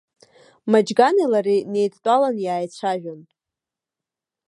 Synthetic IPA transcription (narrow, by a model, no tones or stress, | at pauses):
mad͡ʒɡanelaɾine̞jtʰtʼalanjaːjt͡ɕʷʰaʒᶣan